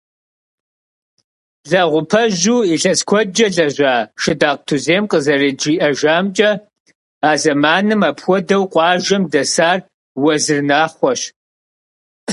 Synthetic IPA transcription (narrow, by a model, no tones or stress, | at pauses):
ɮɐʁʷʊpʰɐʒuːiɬɐskʷʰɔd͡ʒɐɮɐʒʷaːʃɪdaːq̚tʰuzeːmqʼəzɐrid͡ʒiːʔɐʒaːmt͡ʃʼɐ | aːzɐmaːnɨmapʰxʷɔdɐwqʷʼɑːʒɐmdɐsaːr | wɐzɨrnaːχʷɔɕ